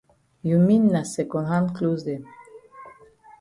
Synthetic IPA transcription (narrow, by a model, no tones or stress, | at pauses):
juminːasekonɦankluzd̪em